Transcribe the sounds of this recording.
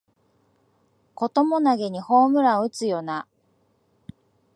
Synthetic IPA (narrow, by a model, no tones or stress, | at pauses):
ko̞t̪o̞mo̞naɡe̞ɲ̟iho̞ːmɯ̟ɾaɯ̟t͡sɨjo̞na